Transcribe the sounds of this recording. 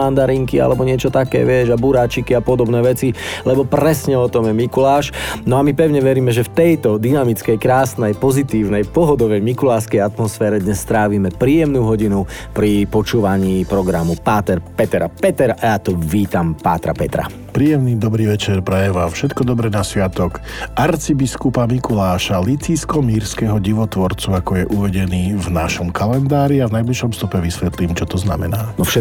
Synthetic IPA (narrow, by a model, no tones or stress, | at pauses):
and̪aɾiŋkia̰lɛbɔɲɪɛt͡ʃɔt̪akɛ̰ːʋɪɛʒabuɾaːt͡ʃikiapɔd̪ɔbnɛːʋɛt͡silɛbɔpɾɛsɲɛɔt̪ɔmjɛmikulaːʃnɔamipɛʊɲɛʋɛɾiːmɛʒɛft̪ɛjt̪ɔd̪inamit͡skɛjkɾaːsnɛjpɔzit̪iːʊnɛjpɔɦɔd̪ɔʋɛjmikulaːskɛjat̪mɔsfɛːɾɛd̪ɲɛsːt̪ɾaːʋiːmɛpɾiːjɛmnuːɦɔɟinupɾipɔt͡ʃuːʋaɲiːpɾɔɡɾamupaːt̪ɛɾpɛt̪ɛɾapɛt̪ɛɾajat̪ɔʋiːt̪ampaːt̪ɾa̰pɛt̪ɾa̰ | pɾiːjɛmniːd̪ɔbɾiːʋɛt͡ʃɛɾpɾɛjɛʋafʃɛt̪kɔd̪ɔbɾɛnasʋɪat̪ɔkʔaɾt͡sibiskupamikulaːʃalit͡siːskɔmiːɾskɛɦɔɟiʋɔt̪ʋɔɾt͡suakɔjɛʔuʋɛɟɛniːvnaʃɔmkalɛnd̪aːɾiavnajbliʃɔmst̪ɔpɛʋisʋɛt̪liːmt͡ʃɔt̪ɔzna̰mɛnaːnɔfʃɛ